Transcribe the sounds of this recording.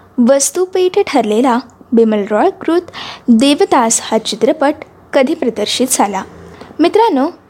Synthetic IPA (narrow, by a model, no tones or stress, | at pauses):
ʋəst̪upeʈʰəʈʰəɾlelabeməlɾɔɭkɾut̪d̪eʋət̪ashat͡ɕit̪ɾəpəʈ | kəd̪ʱipɾəd̪əɾɕit̪d͡zʱalamit̪ɾano